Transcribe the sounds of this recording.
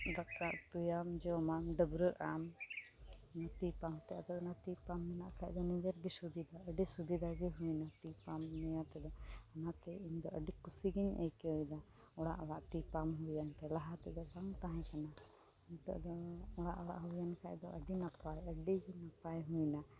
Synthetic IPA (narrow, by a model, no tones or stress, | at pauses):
d̪akaʔt̪ujamd͡ʒɔmanɖəbɾəʔam | nat̪ipamt̪aʔd̪ɔnat̪ipamːɛnaʔkaʔd̪ɔnid͡ʒɛɾɡisud̪id̪aəɖisud̪id̪aɡiɦujnat̪ipamːujat̪ɛd̪ɔanat̪ɛiɲd̪ɔʔəɖikusiɡiɲɛ̰kɛɔjd̪a | ɔɽa̰ʔɔɽaʔt̪ipamɦujant̪ɛlaɦat̪ɛd̪ɔbaŋt̪aɦɛ̃kana | iɲt̪ɛ̰ʔd̪ɔɔɽa̰ʔɔɽa̰ʔɦujankʰaʔd̪ɔʔəɖinapajəɖiɡinapajɦujna